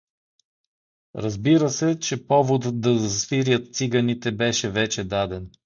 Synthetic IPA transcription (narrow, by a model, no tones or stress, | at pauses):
ɾɐzbiɾəsɛt͡ʃɛpɔvod̪d̪ɐzsfiɾjət̪t̪siɡɐnit̪ɛbɛʃɛvɛt͡ʃɛd̪ad̪ɛn